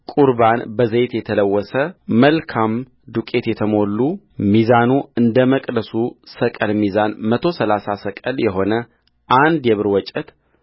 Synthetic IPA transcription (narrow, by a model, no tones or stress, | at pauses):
kʼuɾbanbəzet̪jɛt̪ʰələwːɔsəməlkʰam | d̪ukʼe̞t̪jɛt̪ʰəmo̞lːu | mizanuɨnd̪əməkʼd̪əsusəkʼəlmizanmət̪ʰo̞səlasasəkʼəljɛɦo̞nə | ʔand̪jɛβɨɾwɔt͡ʃʼɛt̪